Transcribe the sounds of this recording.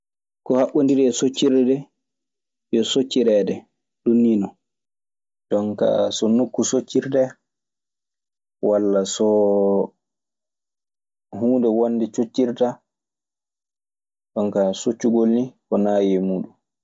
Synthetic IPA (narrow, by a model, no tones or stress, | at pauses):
kɔhaɓːundiɾɛsot͡ʃːiɾɛdɛ | jɔsot͡ʃːiɾɛːdɛ | ɗunːiːnɔ | dɔŋka̰sɔnokːusot͡ʃːiɾdɛ | walːasɔ | huːndɛwonːdɛt͡ʃot͡ʃːiɾta | ɗɔŋkasot͡ʃːuɡolnikɔnajɛmuːɗum